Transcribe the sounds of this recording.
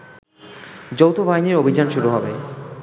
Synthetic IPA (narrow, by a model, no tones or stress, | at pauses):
d͡ʑowt̪obʱaɦiniɾobʱid͡ʑanʃuɾuɦɔbe